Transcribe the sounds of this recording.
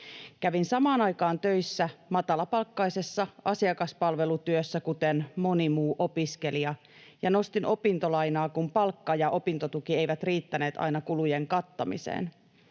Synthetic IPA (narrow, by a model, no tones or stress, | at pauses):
kæʋinsɑmɑːnɑjkɑːnt̪ø̞jsːæmɑt̪ɑlɑpɑlkːɑjse̞sːɑʔɑsiɑkɑspɑlʋe̞lut̪yøsːækut̪enmo̞nimuːʔo̞piske̞liɑ | jɑno̞st̪inʔo̞pint̪olɑjnɑːkumpɑlkːɑjɑʔo̞pint̪o̞t̪ukie̞jʋæt̪riːt̪ːæne̞ːt̪ɑ̰jnɑkulujeŋkɑt̪ːɑmḭsḛːn